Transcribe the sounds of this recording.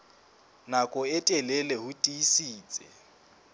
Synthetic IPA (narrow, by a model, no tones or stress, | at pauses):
nakʼɔɛtʼɛlɛlɛɦutʼiisiːt͡sʼɛ̰